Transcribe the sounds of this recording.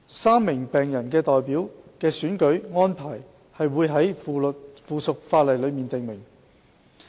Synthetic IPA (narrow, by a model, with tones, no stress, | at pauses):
saː˥mːɪ˨˩ŋpɛː˨˩ŋjɐ˨˩nkɛː˧t̪ɔː˨jpiː˨˥wkɛː˧syː˨˥nkɵ˨˥ɥŋɔː˥npʰaː˨˩j | hɐ˨jwuː˨˧jɦɐ˨˥jfuː˨˧sʊ˨k̚faː˧t̚lɐ˨jlɵ˨˧miː˨nt̪ɪ˨ŋmɪ˨˩ŋ